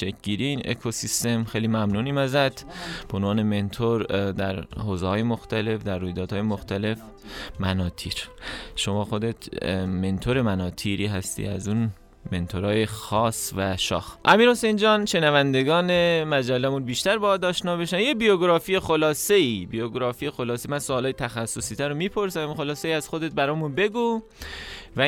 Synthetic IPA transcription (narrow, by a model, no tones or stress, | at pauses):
ʃekʰɟiːɾiiːnḛkʰosist̪e̞mxejliːmæmnuːniːmæzæt̪ʰb̥eonvɒːne̞me̞nt̪ʰoɾd̪æɾhoːzehɒːjemoxt̪æle̞fd̪æɾːuːjd̪ɒːd̪hɒːjemoxt̪æle̞f | mænɒːt̪ʰiːɾʃo̞mɒːxo̞d̪et̪ʰme̞nt̪ʰoɾe̞mænɒːt̪ʰiːɾiːɦæst̪ḭæzun | me̞nt̪ʰoɾɒːjexɒːsvæʃɒ̰ːxʔæmiːɾho̞send͡ʒɒːnʃe̞nævænd̪e̞ɡɒːne̞mæd͡ʒælːæmunbiːʃt̪æɾbɒːd̪ɒːʃnɒːbeʃæmjebijoɡɾɒːfiːjexo̞lɒːse̞ibijoɡɾɒːfiːjexo̞lɒːsemænsoːlɒːjet̪ʰæxæsːosiːt̪æɾomiːpʰo̞ɾsæmmixo̞lɒːseiːæz̥xod̪et̪̚bæɾɒːmunbe̞ɡu | væ